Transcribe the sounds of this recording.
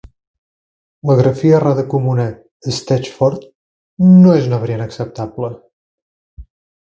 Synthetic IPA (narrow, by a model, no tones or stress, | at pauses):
ləɣɾəfiəraðəkumunəː | st̪ɛt͡ʃfɔɾt̪ | noezunaβɾienəksəp̚t̪ablə